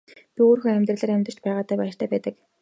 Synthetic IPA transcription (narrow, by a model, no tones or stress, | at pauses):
pʲioːɾ̆xɵ̆ŋæmʲt̪rə̆ɮə̆ɾæmʲt̪ə̆rt͡ɕpæːʁaːt̪æːpæːr̥t̪ʰæːpæːt̪ə̆k